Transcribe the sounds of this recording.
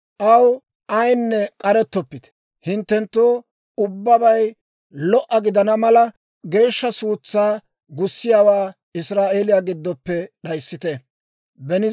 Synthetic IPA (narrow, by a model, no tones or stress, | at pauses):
ʔɐw | ɐjnːɛkʼɐɾɛt̪ːɔpːɪt̪ | hɪnt̪ːɛnt̪ːoː | ʊbːɐbɐj | lɔʔɐɡɪd̪ɐnɐmɐlɐ | ɡe̞ːʃːɐsuːt͡sːaː | ɡʊsːɪjaːwaː | ɪsɾaːʔeːlɪjaːɡɪd̪ːɔpːɛɗɐjsːɪt̪ɛ | bɛnɪ